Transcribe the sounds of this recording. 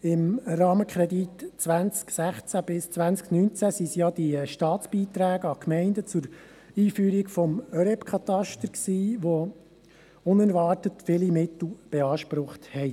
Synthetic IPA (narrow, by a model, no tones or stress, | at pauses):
ɪmrɑːməkʰχɾɛditt͡sʋænt͡sksæχt͡sæb̥ɪst͡sʋænsknyːnt͡sæsisjɑd̥iʃtɑːtt͡sb̥iːt̪ɾæːɡəɑkmɛɪndət͡sʊɾ | iːfyːɾikfɔmœɾɛpkʰɑt̪ɑʃtəɾksiːʋo | ʊnæɾʋɑːrtətfɪlimɪt̪l̩ˠb̥ɛɑːʃpɾʊχthɛɪ